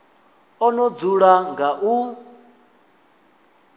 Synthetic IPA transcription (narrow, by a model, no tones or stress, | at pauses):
ɔnɔd͡zuɺaŋɡaʔu